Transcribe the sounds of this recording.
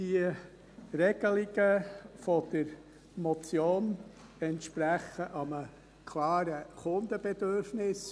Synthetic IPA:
d̥iə | rɛɡ̥əliɡəfɔd̪̥əɾ | mɔt͡sjoːnɛnt̪ʃpɾæχəʔɑmə | kʰlɑːɾəχʊnd̪əb̥ɛd̪øɾfnɪs

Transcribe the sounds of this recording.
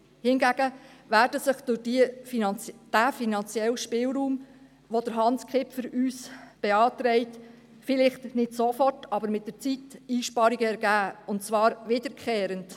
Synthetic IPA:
hɪnɡæɡ̥əvæːɾdəsəχdʊdi | d̥æːfinɑnt͡sjɛlʃpɪlɾuːm | ʋod̥əɾɦɑnskχɪpfəɾyːsb̥ɛɑːtɾɛɪt | fɪlɪχtnɪdsofɔrtɑbəɾmɪt̚d̥əɾt͡sitiːʃpɑɾiɡəɛɾɡæːʊntt͡sʋɑːɾʋɪdəɾkʰχeːɾənt

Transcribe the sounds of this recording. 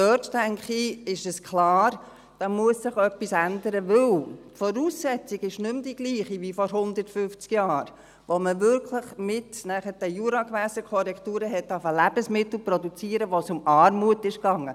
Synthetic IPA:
døttæŋkχiɪʃɛskʰlɑːɾ | d̥ɑːmuəsːɪχœpːisændəɾəvʏltfɔɾuːsːɛt͡siɡɪʃnɵmd̥iɡ̥liːχiʋifɔɾɦʊnd̪əɾtfʏft͡skjɑːɾ | ʋoməvʏɾkʰləχmɪtnæχəd̥əjuɾɑkʋæːsəkʰɔɾɛktuːɾəɦɛt̚dɑfəlæb̥əsmɪtl̩ˠprɔdut͡siːəɾəʋosʊmɑːɾmuətɪʃkɑŋːə

